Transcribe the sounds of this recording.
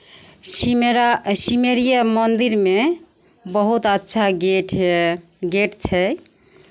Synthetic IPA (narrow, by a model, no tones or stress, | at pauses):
ɾsimeɾijamənd̪iɾme | bəɦut̪ətːʃʰa | ɡeʈt͡ʃʰɛ